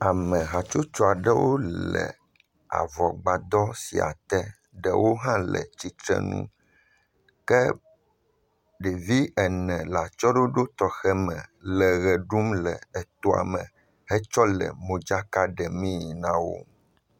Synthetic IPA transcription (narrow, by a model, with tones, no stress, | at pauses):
a˨mɛ̃˨ɦa˨t͡ʃo˦t͡ʃɔ˦a˨ɖɛ˦wo˦lɛ̰˨ | a̰˨vɔ˨ɡ͡ba˨d̪ɔ˦si˨a̰˨t̪ɛ˦ | ɖɛ̰˨wʔo˦ɦã˦lɛ̰˨t͡ɕi˦t̪ɾɛ̰˦˨nṵ̃˦ | kɛ˦ | ɖe˨vi˦ɛ˨nɛ̃˨la˨t͡ʃɔ˦ɖo˦ɖo˦t̪ɔ˨xɛ˦mɛ̃˨lɛ˨ɣɛ˨ɖu˦mlɛ˨ɛ˨t̪ɔ˦a̰˨mɛ̃˨ | hɛ˦t͡ʃɔ˦lɛ̰˨mõ˨d͡ʒa˦ka˦ɖɛ˨mĩ˦˨nã˦wo̰˦